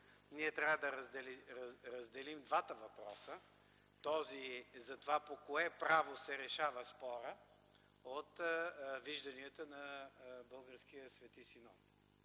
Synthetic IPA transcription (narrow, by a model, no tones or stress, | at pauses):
niɛt̪ɾʲavəd̪ɐɾɐzd̪ɛlɾɐzd̪ɛlimd̪vat̪əvɐpɾɔsə | t̪ɔzizɐt̪ovapokoɛpɾavosɛɾɛʃavəspɔɾə | ot̪viʒd̪ɐniət̪ənɐbɤlˠɡəɾsk̟ijəsvɛt̪isinɔt̪